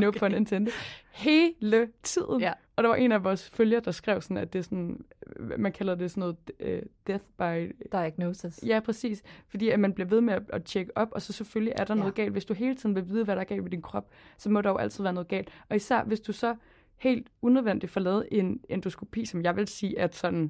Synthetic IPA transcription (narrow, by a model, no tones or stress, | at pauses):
nopʰɒ̽ene̝nt͡sʰend̥əhe̝ːlət͡sʰið̰ˠn̩ | ɒ̽ɾ̥ɑ̈ʋɑ̈ʔe̝næʋɒːsføljɐd̥ɑ̈sɡ̥ʁɛʊ̰sɒ̽n̩æd̥e̝sɒn | mænkʰæl̰ɐðˠd̥e̝sɒ̽nːɔ̽ːð̩ˠd̥eθb̥ɑ̈ɪd̥ɡ̥noːsəsjæpʰʁɛsḭːsfɒ̽d̥ḭːæmænb̥le̝ʋe̝ð̞ˠmeæʔæt͡ɕʰeɡ̥əʔɒ̽b̥ɒ̽sɒ̽seføljiʔæɐɾ̥ɑ̈nɔ̽ːðˠɡ̥ɛ̰ːld̥ʋe̝sd̥uɦe̝ːlət͡sʰiðˠn̩ʋe̝lʋiːð̞ˠʋæɾ̥ɑ̈ɡ̥ɛ̰ːlʋe̝d̥inkʰʁɒ̽b̥sɒ̽mɒ̽ɾ̥ɑ̈joʊʔæl̰t͡sʰiðˠʋæɐnɔ̽ːð̞̩ˠɡɛ̰ːld̥ɒ̽isæɐ̰ʋe̝sd̥usɒ̽ | he̝̰ːld̥unøðˠʋen̰d̥ifɒ̽lɛːð̞̩ˠʔe̝nend̥osɡ̥ʰopʰḭːsɒ̽mjɑ̈ɪʋe̝lsiːæd̥sɒ̽d̥n̩